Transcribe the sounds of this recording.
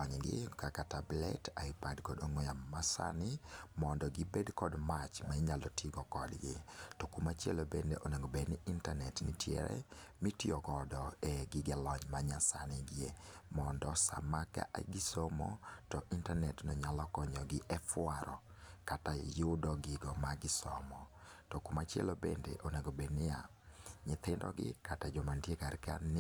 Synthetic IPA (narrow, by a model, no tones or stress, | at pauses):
ɔɲɡɪ̰kakatablɛ̰taipadkɔdoŋɔjamasa̰nɪmɔndɔɡɪbedkɔdmat͡ʃmaiɲalɔtʰiɡɔkɔdɡɪ̰tɔkumat͡ʃjɛlobendeʔoneŋɡobedniintanɛtnitʰjɛ̰ɾɛ̰mitiɔkɔdɔɛɡɪɡɛlɔɲmaɲasanɪɡɪemɔndɔsa̰maka̰ʔa̰ɡɪsɔmɔ̰tɔʔintanɛtnɔɲalɔkɔɲɔɡɪʔɛfwaɾʔɔ | katajʊdɔɡɪɡɔmaɡɪsɔmɔ | tɔkumat͡ʃjɛ̰lobḛndeʔoneɡobednɪja | ɲɪt̪ɪndɔ̰ɡɪ̰katad͡ʒɔmandjekarka̰n